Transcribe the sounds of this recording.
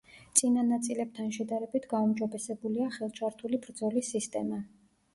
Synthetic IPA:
t̪sʼinanat̪sʼilɛb̚t̪ʰanʃɛd̪aɾɛbit̪ʰɡaumd͡ʒɔbɛsɛbuliaχɛlˠt͡ʃʰaɾt̪ʰulibɾd̪zɔlisist̪ʼɛma

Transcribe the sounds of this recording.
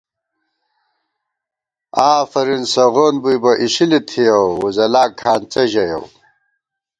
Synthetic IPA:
aːfɐɾinsɐɣoːnbujbɐʔiɕilit̪ʰijɐwwuzɐlaːkʰaːnt͡sɐʑɐjɐ̰w

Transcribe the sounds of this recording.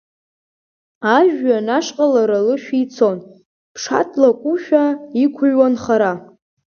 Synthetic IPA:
aʒᶣanaʂqʼalaɾalɨʃᶣiit͡sʰo̞n | pʰʂa̰tʰʼlakʷʼuʃᶣaikʷʰʊɥwanχaɾa

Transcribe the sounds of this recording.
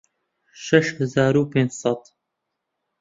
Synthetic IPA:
ʃɛʃhɨzaːɾuːpẽːnd͡ʑsɑt̪

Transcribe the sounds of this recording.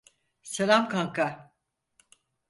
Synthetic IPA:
selʲamkʰaŋka

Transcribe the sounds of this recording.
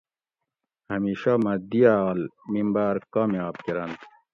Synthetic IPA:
hɐmiːɕamɐd̪iaɑːlmimbaːɾkɑːmjɑːb̚keɾand̪

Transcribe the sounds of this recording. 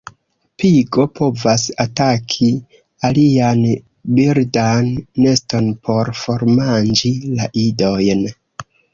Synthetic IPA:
piɡo̞pʰo̞vasatakʰi | alian | biɾdanːe̞sto̞npʰo̞ɾfo̞ɾmand͡ʒilaʔido̞jn

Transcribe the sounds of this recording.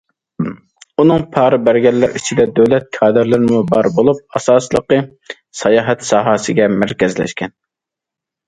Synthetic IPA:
unɨŋpʰɑːɾɨbæɾɡʲɛlːæɾit͡ʃʰid̪ɛd̪øwlɛt̪̚kʰɑːd̪ɨɾlˠɨɾmubɑɾbolˠup̚ɑsɑːsəlˠəqə | sɑjɑːɦɛt̪sɑːɦɑsɨɡʲɛmæɾkʲɛzlɛ̰ʃkʲɛn

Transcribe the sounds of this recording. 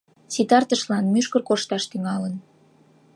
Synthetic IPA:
sit̪ɑrt̪əʃlɑnmyʃkərkoʃt̪ɑʃt̪yŋɑlən

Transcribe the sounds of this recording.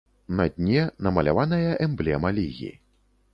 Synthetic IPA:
nɐd̪ʲnʲɛnɐmɐlʲa̰vanɐjɐʔɛmblʲɛmɐlʲiɣʲḭ

